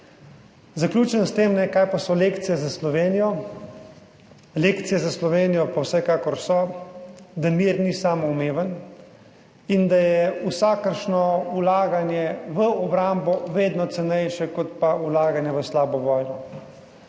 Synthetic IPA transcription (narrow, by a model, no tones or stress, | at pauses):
zaklʲuːt͡ʃənst̪eːmnɛkaːjpasɔleːkt̪sijɛzaslɔʋeːnijɔ | leːkt̪sijɛzaslɔʋeːnijɔpawsɛkaːkɔɾsɔ | d̪amiːɾnisaːmɔumeːʋən | ind̪ajɛusaːkəɾʃnɔulaːɡanjɛʋəɔbɾaːmbɔʋeːd̪nɔt̪sɛnɛjʃɛkɔt̪paulaːɡanjɛʋəslaːbɔʋɔːjnɔ